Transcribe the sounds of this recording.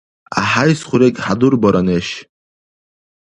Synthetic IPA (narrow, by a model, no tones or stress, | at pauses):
a̰ħajsχʷuɾekʲʼħad̪urbaɾʔaneʃ